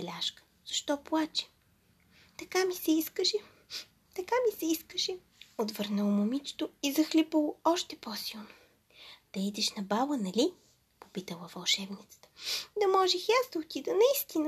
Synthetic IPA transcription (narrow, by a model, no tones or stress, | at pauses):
ɛlʲaʃkə̥ | z̥ɐʃt̪ɔplˠat͡ʃɛ̥ | t̪ɐkamisɛiskəʃɛ | t̪ɐkamisɛiskəʃɛ | ot̪vɤɾnəlˠmʊmit͡ʃt̪oizɐxlʲipəlˠoɔʃt̪ɛposilˠno | d̪̥ɐid̪ɛʃnɐbalənɐlʲi | popit̪əlˠəvɐlˠʃɛbnit̪sə̥t̪ə̥d̪ɐmɔʒɛxjazd̪ɐot̪id̪ənɐist̪inə